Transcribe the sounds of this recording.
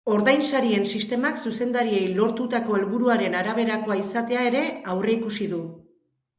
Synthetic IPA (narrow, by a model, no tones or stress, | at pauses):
o̞ɾðajnsaɾie̞nsist̪e̞maksuse̞nd̪aɾie̞jlo̞ɾt̪ut̪ako̞e̞lβuɾuaɾe̞naɾaβ̞e̞ɾakoaisat̪e̞ae̞ɾe̞awre̞ikusiðu